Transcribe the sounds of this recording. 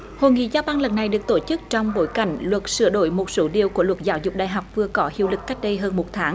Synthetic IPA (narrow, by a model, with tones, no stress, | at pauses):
ho̰˧˨jŋḭ˧˨zaː˧wɓaː˧ŋlə˨˩n̚na˨˩jɗɨ˨˩ək̚t̪o˧˩t͡ɕɨ˦˥k̚t͡ɕɔ˧wŋ͡mɓo˨˦jka˧˩jŋ̟lwə˨˩t̚sɨ˧˩əɗo˧˩jmo˨˩t̚so˨˦ɗi˨˩əwku˧˩əlwə˨˩t̚zaː˨˦wzʊ˨˩k͡p̚ɗa̰ː˨jɦa˨˩wk͡p̚vɨ˨˩əkɔ˨˦hḭ˧˩əwlɨ˨˩k̚ːa˦˥jk̟̚ɗə˧jɦəː˧nmo˨˩t̚t̪ʰaː˨˦ŋ